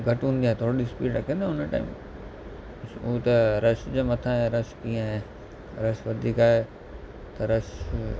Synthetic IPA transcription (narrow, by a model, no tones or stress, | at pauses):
ɡʱɐʈɦũːn̆d̪iaɦet̪ʰoːɾɗispiːɾʈakẽnd̪ɦʊnəʈa̰ːɪm | ṵt̪ɐɾɐsd͡ʑoːmɐt̪ʰaɦẽɾɐskĩːãɦẽ | ɾɐsʋɐd̪ʱiːkaːɦe | t̪ɐɾɐs